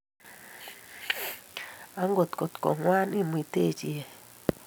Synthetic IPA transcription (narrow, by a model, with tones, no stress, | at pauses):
a˦ŋɡo˨t̪ko˨t̪ko̰˨ŋwa˦ni˦mwi˨t̪e˦˨d͡ʒi˨e˨